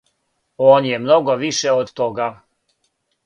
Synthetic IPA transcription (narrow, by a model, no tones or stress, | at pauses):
oːnjɛmnoɡoʋiʃɛod̪t̪oɡa